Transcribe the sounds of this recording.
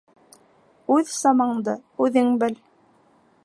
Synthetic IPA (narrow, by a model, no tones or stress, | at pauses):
ʉðsɑmɑɴd̪ɤʉðɘŋbɘl